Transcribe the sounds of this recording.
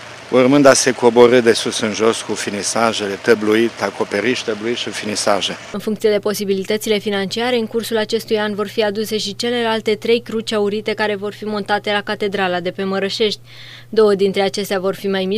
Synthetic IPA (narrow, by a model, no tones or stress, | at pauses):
urmɨnd̪ase̞ko̞bo̞ɾɨt̪̚d̪e̞susɨnʒo̞skufinisaʒe̞le̞t̪əbluit̪ako̞pe̞ɾit̪ʃi̥t̪əbluit̪ʃifinisa̰ʒe | ɨnfuŋkt̪sije̞d̪epo̞sibilit̪ət̪sile̞finant͡ʃiaɾe̞ɨŋkursulat͡ʃe̞st̪ujanvo̞rfiad̪use̞ʃit͡ʃe̞le̞lalt̪e̞t̪ɾe̞jkɾut͡ʃauɾit̪e̞kaɾe̞vo̞rfimo̞nt̪at̪e̞lakat̪e̞d̪ɾalad̪e̞pe̞məɾəʃe̞ʃt̪ʲ | d̪o̞wəd̪int̪ɾe̞at͡ʃe̞st̪eavo̞rfimajmi